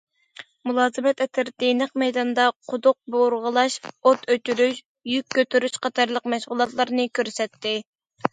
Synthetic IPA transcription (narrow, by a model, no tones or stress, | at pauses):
mulˠɑːzɨmɛt̪ɛt̪ʰɪɾd̪̥enəqmɛjd̪ɑnd̪ɑqʰʊd̪ʊq̚boɾʁəlˠɑʃot̪ʰøt͡ʃyɾyʃ | jykʲʰːøt̪ʰyɾyʃqʰɑt̪ʰɑɾlˠəqmɛʃʁʊlˠɑt̪lˠɑɾnɨkʲʰøɾsɛt̪ːɪ